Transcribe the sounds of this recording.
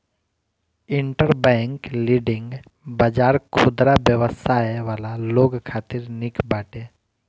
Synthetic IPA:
ɪɳʈəɾbɛ̃ːŋkliːɖɪ̃ŋɡ | baːd͡ʒaːɾkʰʊd̪ɾabjəʋəsʰaːʋaːlaloːɡkʰaːt̪ɪɾnɪkbaːʈeː

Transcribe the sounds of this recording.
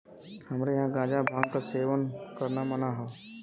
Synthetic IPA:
hɐmɾejɐɦãɡãːd͡ʒabʱãːŋɡkaseːʋənkəɾnamɐnaɦɛ

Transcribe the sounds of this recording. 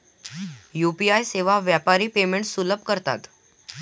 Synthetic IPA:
jupiajseʋaʋjapaɾiːpemeɳʈsuləb̚ʱkəɾt̪a̰t̪

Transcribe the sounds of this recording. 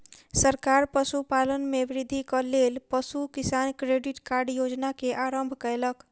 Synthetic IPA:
səɾkaɾpəsupalənmeʋɾɪd̪ʱːikəlelpəsukisankɾeɖiʈkaɾɖjod͡ʒnakeʔaɾəmbʱkɛlək

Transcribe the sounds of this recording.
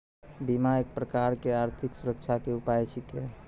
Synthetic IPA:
bimaeːk̚pɾəkaɾkeaɾt̪ʰiksuɾək̚t͡ʃʰakeupajt͡ʃʰike

